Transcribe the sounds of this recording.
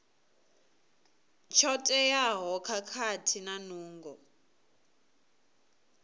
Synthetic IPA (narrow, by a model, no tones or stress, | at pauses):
t͡ʃʰɔtʼɛjaɦɔkʰakʰatʰinanuːŋɡɔ